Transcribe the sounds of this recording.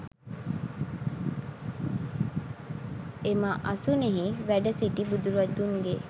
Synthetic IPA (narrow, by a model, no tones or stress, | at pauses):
emɐʔɐsuneɦiʋæɖɐsiʈibud̪uɾɐd̪uŋɡe